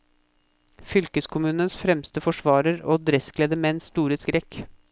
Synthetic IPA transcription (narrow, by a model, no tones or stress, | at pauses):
fʏlkəskʰʊmʉːnənsfɾɛmst̪əfɔʂʋɑːɾəɾo̰ːd̪ɾɛskleːd̪əmɛɛnst̪uːɾəskɾɛk